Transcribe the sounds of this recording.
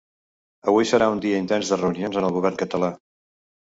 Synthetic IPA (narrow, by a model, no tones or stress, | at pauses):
əβujsəɾaund̪iəint̪ɛnzðərəunionzənəlˠɣuβ̞ɛrŋkət̪əla